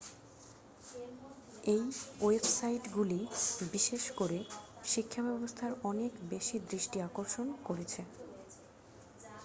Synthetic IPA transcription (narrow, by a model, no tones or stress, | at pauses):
ejoebsajʈɡulibiʃeʃkoɾeʃikʰːabɛbost̪ʰaɾɔnekbeʃid̪ɾiʃʈiakoɾʃonkoɾet͡ɕʰe